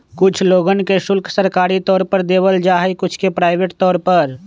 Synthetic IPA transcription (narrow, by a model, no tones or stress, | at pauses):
kʊt͡ʃʰloːɡənkeʃʊlksəɾkaːɾit̪ɔːɾpəɾd̪eːbəld͡ʒaːɦekʊt͡ʃʰkepɾaːɪʋeːʈt̪ɔːɾpəɾ